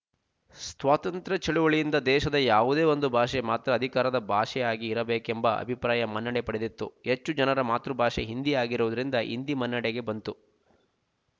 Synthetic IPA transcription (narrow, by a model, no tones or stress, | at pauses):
st̪ʋaːt̪ɐnt̪ɾɐt͡ʃɐɭuʋɐɭijind̪ɐd̪ɛːʃɐd̪ɐjaːʋud̪e̞ːo̞nd̪ubʱaːʃemaːt̪ɾɐːd̪ʱikaːɾɐd̪ɐbʱaːʂɛjaːɡiːɾɐbeːkembɐɐ̰bʱipɾaːjɐmɐnːɐɽepɐɽed̪it̪ːṵhet͡ʃːud͡ʒɐnɐɾɐmaːt̪ɾubʱaːʃeɦind̪iaːɡiɾuʋud̪ɐɾind̪ɐʔḭnd̪imɐnːɐɽeɡe̞bɐnt̪u